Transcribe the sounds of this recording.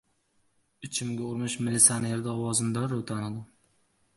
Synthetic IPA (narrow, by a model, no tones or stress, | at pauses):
ɪt͡ʃʰɪmɡʲaʊɾmɪʃmɪlitsʲaneɾd̪aɒwɒzɪmd̪aɾot̪ʰanad̪ɪ